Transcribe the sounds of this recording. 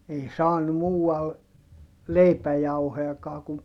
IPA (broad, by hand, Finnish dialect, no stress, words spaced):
ei sɑːnu muːɑl leipæjɑuhojɑkɑː kum